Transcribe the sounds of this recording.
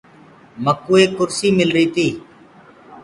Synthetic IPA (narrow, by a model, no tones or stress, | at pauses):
məkuːeːkʊɾsiːmɪlɾiːt̪iː